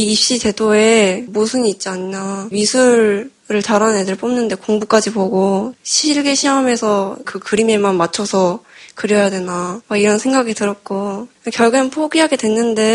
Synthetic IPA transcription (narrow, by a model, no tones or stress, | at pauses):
iip̚ɕ͈ite̞doe̞musʰuniːt̚t͡ɕ͈iaɲiamisʰuɾ | ɾɯɭtaɾanedɯɭp͈omnɯnde̞koŋbuk͈ad͡ʑipoɡoɕʰiɭɡe̞ɕʰiɦame̞sʰʌkɯkɯɾimemanmat͡ɕʰʌsʰʌkɯɾjʌjadwe̞nawaiɾʌnsʰe̞ŋɡaɡitɯɾʌt̚k͈okjʌɭɡɯnpʰoɡiɦaɡe̞dwe̞nːɯnde̞